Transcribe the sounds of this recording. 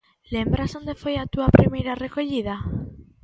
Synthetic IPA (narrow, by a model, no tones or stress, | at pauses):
lembɾazo̞nd̪efo̞jat̪uapɾimejɾare̞ko̞ʎiða